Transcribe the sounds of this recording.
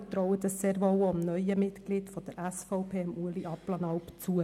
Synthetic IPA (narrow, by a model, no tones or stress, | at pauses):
t̪ɾɔʊət̪əsseːɾʋowɔmnœʏəmɪt̪ɡlid̥fɔd̥̪əɾʔæsfɔʊpʰeːɑmuəliʔɑplɑnɑʊpt͡suə